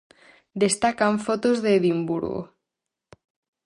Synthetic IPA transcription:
d̪est̪akaɱfot̪ozðeðimbṵɾɣo̰

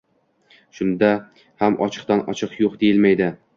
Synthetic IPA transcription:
ʃʊnd̪a | hamʔɒt͡ʃʰɨ̥q̚t̪anɒ̰t͡ʃʰɨqjoqd̪ejɪlmajd̪ɪ

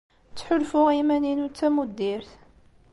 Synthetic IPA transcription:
t͡sːħʊlfʊʁimæninut͡sːæmud̪ːiɾθ

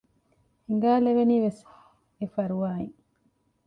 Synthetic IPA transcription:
hiŋɡaːlebeniːʋes | efɐɾuwaːiŋ

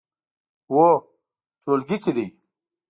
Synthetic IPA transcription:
wo | t͡ʃoːlɡikid̪ij

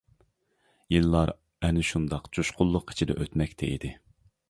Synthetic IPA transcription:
jilːɑɾ | ɛnɪʃund̪ɑqt͡ʃʰuʃqʰʊlˠːʊqʰːi̥t͡ʃʰid̪ɛ̰ʔøt̪mɛkʲt̪ʰɛḭd̪ɪ

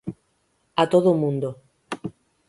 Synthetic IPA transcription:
at̪oðomũnd̪o

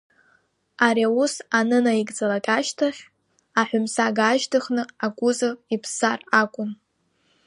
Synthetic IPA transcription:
aɾjausanɨnaiɡʼd͡zalakʼaʃtʰaχʲ | aħʷᶣʊmsaɡaːʒtʰɨχnɨakʷʼʊzɨvipʰsarakʷʼʊn

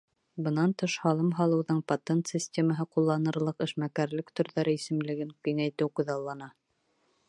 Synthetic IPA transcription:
bɤ̆nɑnt̪ɤʃhɑlˠɤmɦɑlˠɤ̆wðɤɴpɐt̪ʲent̪sʲisʲtʲeməɦɤqulˠːɑnɤ̆ɾlˠɤqɘ̆ʃmækæɾlɘkt̪ɵ̆ɾðæɾɘisɘ̆mlɘ̆ɡɘŋkɵŋæjt̪ɘwqŭðɑlˠːɑnɑ

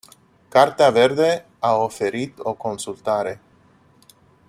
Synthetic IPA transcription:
kart̪eave̞rd̪e̞ | ao̞fe̞ɾit̪o̞ko̞nsult̪aɾe̞

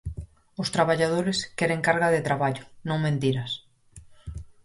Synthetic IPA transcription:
ʊst̪ɾaβaʎað̞oɾɪskɛɾẽŋkaɾɣaðet̪ɾaβaʎʊnõŋmẽnt̪iɾas

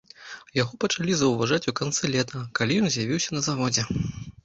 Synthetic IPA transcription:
jaɣɔpɐt͡ʂalʲizɐwvaʐat͡sʲukant̪sɨlʲɛt̪ɐkalʲijɔnzʲjavʲiwsʲɐnɐzavɔd͡zʲɛ

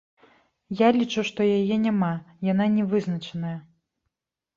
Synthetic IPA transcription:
jalʲit͡ʂuʂt̪ɔjajɛnʲamajan̪anʲɛvɨznɐt͡ʂɐnɐjɐ

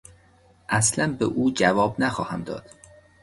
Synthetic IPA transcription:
ʔæslænbḛʔuːd͡ʒævɒːbnæxɒːhæmd̪ɒ̰ːd̪̥

